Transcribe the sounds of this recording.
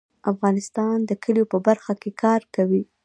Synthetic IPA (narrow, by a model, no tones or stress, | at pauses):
afɣɑnɪst̪ɑnd̪əkʰəljopəbaɾxakekʰɑɾkawi